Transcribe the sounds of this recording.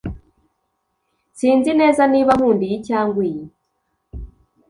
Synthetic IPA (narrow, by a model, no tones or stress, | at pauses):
siːnzineːzaniːβaɦuːndijicaːŋɡwiji